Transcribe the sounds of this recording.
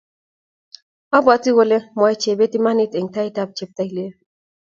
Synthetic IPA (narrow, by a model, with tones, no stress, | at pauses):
a˦bwa˨t͡si˦wo˨le˦mwa˨jt͡ʃe˨be˦t̪i˦ma˦ni˦t̪e˨ŋt̪a˦i˦t̪a˨b̚t͡ʃe˦p̚t̪a˧jle˦